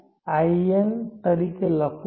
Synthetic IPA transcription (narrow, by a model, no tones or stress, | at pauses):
ajent̪əɾikeləkʰu